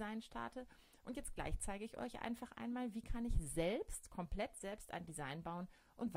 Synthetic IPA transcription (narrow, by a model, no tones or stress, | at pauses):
zaɪnʃtʰa̰ɐtʰə | ʔʊntjɛt͡st̚ɡ̥la̰ɪçt͡saɪɡəɪçʔɔ̰ʏçʔa̰ɪnfaχʔa̰ɪnmaːlviːkʰanɪçzɛlpstkʰɔmpl̥ɛtz̥ɛlpstʔa̰ɪndizaɪnbaʊən | ʔʊntv